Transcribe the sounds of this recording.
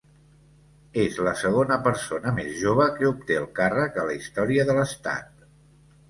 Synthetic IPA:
ezləsəɣ̞onəpəɾsonəmezʒoβ̞əkəup̚t̪eəlˠkarəkələist̪ɔɾiəðələst̪a̰t̪̚

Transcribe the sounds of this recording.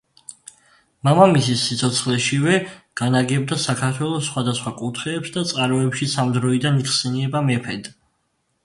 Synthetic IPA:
mamamisisːit̪sʰɔt̪sʰχlɛʃivɛɡ̥anaɡɛbd̪asakʰaɾt̪ʰwɛlˠɔsːχwad̪asχwakʼut̪ʰχɛːpsd̪at̪sʼqʼaɾmɔɛpʃisamd̪ɾɔid̪aniksɛniɛbamɛpʰɛd̪

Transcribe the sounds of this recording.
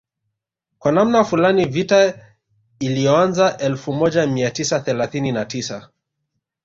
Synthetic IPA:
kwanamnafulanivita | ilijɔanzaʔɛlfumɔʄamiatisaθɛlaθininatisa

